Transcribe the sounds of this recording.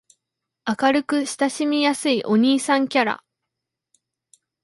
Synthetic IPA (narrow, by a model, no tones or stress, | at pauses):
akaɾɯ̟kɯ̟ɕi̥t̪aɕimʲijasɨiʔo̞ɲ̟iːsãŋkʲaɾa̰